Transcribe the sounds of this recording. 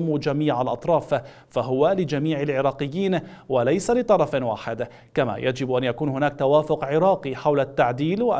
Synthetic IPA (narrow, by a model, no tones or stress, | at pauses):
mud͡ʒamiːʕalʔɑ̰t̪ˤɾˤɑːf | faɦʊwalɪd͡ʒamiːʕalʕɪɾˤɑːqɪjːiːn | walajsalɪt̪ˤɑɾˤɑfwa̰ːħɪd̪ | kama̰jʔad͡ʒɪbʔanjakuːnhʊnaːk̚t̪awaːfʊqʕɪɾɑːqiħawlat̪ːaʕd̪iːlwaʔ